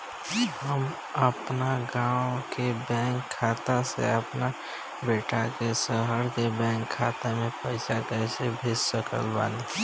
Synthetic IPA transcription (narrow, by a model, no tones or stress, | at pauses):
həm | əpnaɡãːwkebɛ̃ːŋkʰːaːt̪asḛəpna | beːʈakesəɦəɾkebɛ̃ːŋkʰːaːt̪emẽpəɪsakɛsebʱɪssəkə̰lbã̰ːni